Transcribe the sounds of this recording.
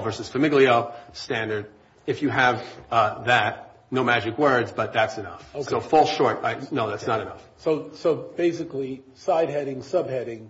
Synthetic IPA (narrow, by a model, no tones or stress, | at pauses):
vɜ˞sɨz̥fɨmɪɡlˠiostæ̃ndə˞d | ɨfjɨəvðæt̚ | noʊmæd͡ʒɨkwɜ˞dzbʌt̪̚ðætsɨnʌ̰foʊsoʊfɔlˠʃɔɹtaɪnoʊðætsnəɾɨnʌ̰fsoʊsoʊb̥eɪsɨkli | saɪd̚ɦɛɾɪ̃ŋsʌbhɛɾɪ̃ŋ